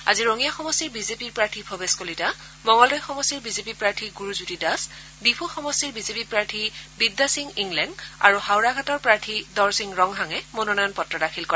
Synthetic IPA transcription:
a̰ziɹoŋijaxɔmɔstiɹbizepiɹpɹaɹtʰipʰobeskolita | mɔŋɔldɔjxɔmɔstiɹbizepipɹaɹtʰiɡuɹuzutidas | bipʰuxɔmɔstiɹbizepipɹaɹtʰibidːasiŋiŋlɛna̰ɹuhawɹaɡʱatɔɹpɹaɹtʰidɔɹsiŋɹɔŋɦaŋɛmononɔjɔnpɔtɹɔdakʰilkɔɹɛ

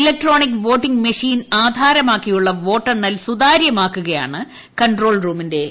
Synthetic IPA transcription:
ilek̚ʈro̞ːnikːʋo̞ːʈːiŋɡmɐʂiːnaːd̪ʱaːɾɐmaːkːijuɭːɐʋo̞ːʈːɐrnːɐlsud̪aːɾjɐmaːkːuɣɐja̰ːɳɨ | kɐɳʈro̞ːɭruːminde̞

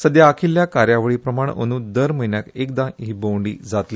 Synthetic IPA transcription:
səd̪jaːkʰiljakaɾjaʋəɭiːpɾəmaɳ̃o̰ñud̪əɾməjnjakek̚d̪ãɦiːbowɳɖḭːd͡zat̪li

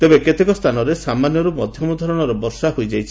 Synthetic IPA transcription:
t̪ebeket̪ekɔst̪ʰanɔɾesamanjɔɾumɔd̪ʱjɔmud̪ʱɔɾɔɽ̃ɔɾɔbɔɾsaɦojd͡ʒajt͡ʃʰi̥

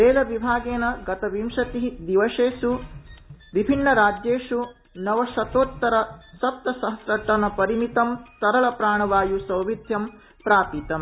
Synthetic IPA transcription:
eːlɐʋibʱaːɡeːnɐɡɐt̪ɐʋimʂɐt̪iɦid̪iʋɐʂeːsu | ʋibʱinːɐɾaːd͡ʒjeːʂu | nɐʋɐʃɐt̪oːt̪ːɐɾɐsɐp̚t̪ɐsɐɦɐsɾɐʈːɐnɐpɐɾimit̪ɐmt̪ɐɾɐɭɐpɾaːɳɐʋaːjusɐwʋid̪ʱjɐm | pɾaːpit̪ɐm

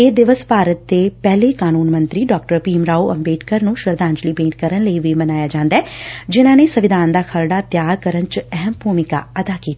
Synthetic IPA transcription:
eːd̪ɪʋəspaːɾət̪̚d̪eːpɛːleːkaːnuːnmə̃nt̪ɾiːɖɔːk̚ʈəɾpiːmɾaːuʔəmbeːʈkəɾnũʃəɾd̪ãːɲd͡ʒliːbẽːʈ̚kəɾənləiʋimənaːjaːd͡ʒãːnd̪aɛːd͡ʒɪnãːnesəʋɪd̪ʱaːnd̪aːkʰəɾɖaːt̪jaːɾkəɾənt͡ʃɛɦɛmbʱuːmɪka̰ːəd̪aːkiːt̪a

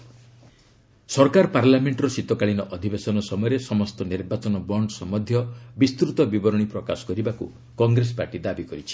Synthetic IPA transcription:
sɔɾkaɾpaɾlameɳʈɾɔsit̪ɔkaɭinɔʔɔd̪ʱibesɔnɔsɔmɔjɔɾesɔmɔst̪ɔniɾbat͡ʃɔnɔbɔɳɖsɔmɔd̪ʱjɔbist̪ɾut̪ɔbibɔɾɔɽ̃ipɾɔkasɔ̥kɔɾibakṵ | kɔŋɡɾespaɾʈid̪abikɔɾit͡ʃʰi̥

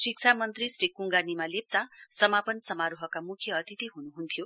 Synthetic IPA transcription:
siksʰamʌnt̪risrikuŋɡanimalep̚t͡sasʌmapʌnsʌmaɾuɦʌkamukʰjʌːt̪it̪iɦunuɦunt̪ʰjo

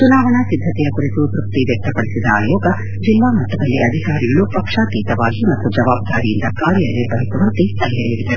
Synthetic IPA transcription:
t͡ʃunaːʋɐɳɐsid̪ʱːɐt̪ɛjɐkuɾit̪ut̪ɾuk̚t̪iʋjɐk̚t̪ɐpɐɽisid̪ɐaːjɔːɡɐ | d͡ʒilʋaːmɐt̪ːɐd̪ɐlːiʔɐd̪ʱikaːɾiɡɐɭupɐkʂaːt̪iːt̪ɐʋaːɡimɐt̪ːud͡ʒɐʋaːb̚d̪aːɾijind̪ɐkaːɾjɐlːebɐɦit̪ɐʋɐɾt̪isɐljɐiʋid̪ɐɾu

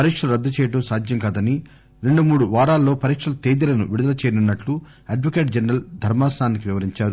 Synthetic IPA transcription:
pɐɾikʂɐlɾɐd̪ːɐt͡ʃeːjɐʈ̬oːsaːd̪ʱjɐŋkaːd̪ɐni | ɾe̞ɳɖumuːɽuʋaːɽaːlːo̞ːpɐɾikʂɐlɐt̪eːd̪ilɐnṵʋiɽud̪ɐlɐt͡ʃeːjnunːɐʈlu | ɐɖʋokeːʈd͡ʒenɾɐld̪ʱɐɾmaːsɐnaːnːikiʋiʋɐɾiɲt͡ʃaːɾu

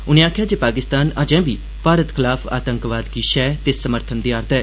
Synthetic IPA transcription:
ʊnẽːaːkʰjaːd͡ʒeːpaːkɪst̪aːnad͡ʒɛ̃ːbiː | paːɾət̪kʰɪlaːfʰa̰ːt̪ə̃ŋkʋaːd̪ɡiːʃɛːt̪eːsəməɾt̪ʰənd̪iːaːɾt̪ɛː

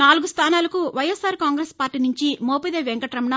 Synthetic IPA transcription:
naːluɡust̪ʰaːnaːlɐkuʋɐjɐsaːɾkaːŋɡɾespaːɾʈːiːnuɲt͡ʃimoːpid̪eːʋɛŋkɐʈɾɐmnɐ

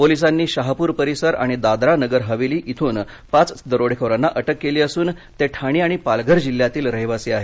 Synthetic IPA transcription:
polis̬anːiːɕaɦpuːɾpəɾisəɾa̰ɽ̃id̪ad̪ɾanəɡəɾɦəʋiliːʔit̪ʰuːn | pat͡sd̪əɾoɽ̤ekʰəɾanːaʔəʈəkːeliːəsuːn | t̪eʈʰaɽ̃iːaɽ̃ipalɡʱəɾd͡ʑiljat̪iːlɾəɦiʋaseːaɦe

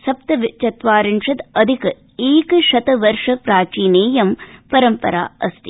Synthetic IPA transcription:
sɐp̚t̪ɐʋit͡ʃɐt̪ʋaːɾinʂɐt̪ɐd̪ʱik | iːkʃɐt̪ɐʋɐɾʂɐpɾaːt͡ʃiːneːjɐmpɐɾɐmpɐ̰ɾa̰ːɐst̪i

